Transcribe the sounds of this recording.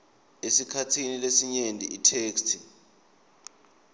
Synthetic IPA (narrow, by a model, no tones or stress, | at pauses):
esikʰatʰinilesiɲendʱʼiitʰeːkstʰi̥